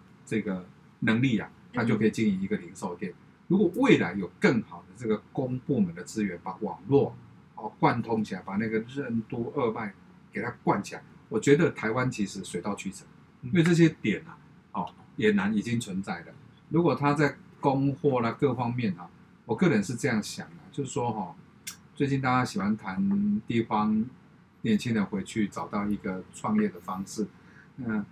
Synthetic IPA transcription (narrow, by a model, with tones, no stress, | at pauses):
t͡sɤ˥˧ɡə˩ | nə˧˦ŋli˥˨a̰˨˩t̪ʰa˥t͡ɕo˥˩ʊkʰə˧˥i˨˩t͡ɕi˥ŋi˧˥ŋi˧˥ɡə˨li˧˥ŋʂo˨˩ʊt̪jɛ˨˩n | ɻu˧˥kwɔ˨˩we˥˩ɪla˧˦ɪjo˨˩ʊkə˥˩ŋxɑ˨˩ʊd̪ə˦t͡sɤ˥˩ɡə˩kʊ˦ŋpu˥˩mə˨˦nd̪ə˨t͡sɹ̩˦ɥɛ˨˧˦npa˨˦wɑ˨˩ŋlwɔ˥˨ | hɔ˥˩kwa˥˧nt̪ʰʊ˥ŋt͡ɕʰi˨a˨ɪpa˨˩na˥˩ɡə˩ɻə˥˧nt̪u˥˧ə˥˧ma˥˩ɪ | ke˨ɪt̪ʰa˦kwa˥˨nt͡ɕʰi˨a˨˩ɪwɔ˨˩t͡ɕɥɛ˧˥d̪ə˨t̪ʰa˧˥ɪwa˦nt͡ɕʰi˧˥ʂɻ̩˨˧˦swe˨˧ɪt̪ɑ˥˧ʊt͡ɕʰy˥˩t͡sʰə˨˩˦ | i˥we˥˧ɤ˥˧˩ɕ̬jɛ˦t̪jɛ˨˩na˨ | hɔ˨˩jɛ˨˩na˧˦ni˨˩t͡ɕi˦ŋt͡sʰwə˧˦nt͡sa˥˩ɪlə˩ | ɻu˧˥kwɔ˨˩t̪ʰa˦t͡sa˥˧ɪko˦ŋxwɔ˥˩la˨kɤ˥˨fɑ˦ŋmjɛ˥˨nhɔ˨˩ | wɔ˨˩kɤ˥˨ɻə˨˦nʂɻ̩˥˧t͡sɤ˥˧jɑ˥˩ŋɕjɑ˨˩ŋlə˨t͡ɕjo˥˧ʊʂ̩˥˩ʂwɔ˦xɔ˥˨˩ | t͡swe˥ɪt͡ɕi˥˧nt̪a˥˧˩t͡ɕa˦˥ɕi˨˩xwa˧˦nt̪ʰa˧˦nt̪i˥˨fɑ˦ŋ | njɛ˨˩nt͡ɕʰi˦ŋd̪ə˨xwe˧˥ɪt͡ɕʰy˥˩t͡sɑ˨˩ʊt̪ɑ˥˩ʊi˧˥ɡə˨ʈ͡ʂʰwɑ˥˧ŋjɛ˥˩d̪ə˩fɑ˦˥ŋʂɻ̩˥˩ | na˥˧˨